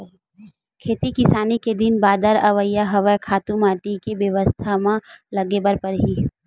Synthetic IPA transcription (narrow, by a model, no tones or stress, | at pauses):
kʰeːt̪ikɪsaːniked̪ɪnbaːd̪əɾɐʋəjːaɦɐʋəjkʰaːt̪ũmaːʈikeʋjɐʋəst̪ʰamãlɐɡebəɾpɐɾɦi